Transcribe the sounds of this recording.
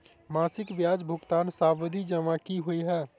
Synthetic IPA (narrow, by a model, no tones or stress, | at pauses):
masikbjad͡ʒbʱukt̪ansabd̪ʱid͡ʒəmakiɦojɦɛ